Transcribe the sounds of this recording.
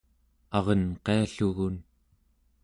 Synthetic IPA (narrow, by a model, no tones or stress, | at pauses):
ɑʁʌnqeaɬuɣun